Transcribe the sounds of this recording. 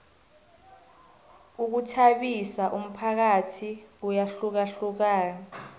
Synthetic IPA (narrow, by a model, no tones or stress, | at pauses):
uk̬utʰaɓisaʔum̩pʰak̬atʰiujaɬuk̬aɬuk̬aːna